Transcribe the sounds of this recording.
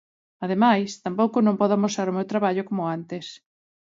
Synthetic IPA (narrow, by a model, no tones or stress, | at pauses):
aðemajst̪ampowkʊnõmpɔðamosaɾomewt̪ɾaβaʎokomʊant̪ɪs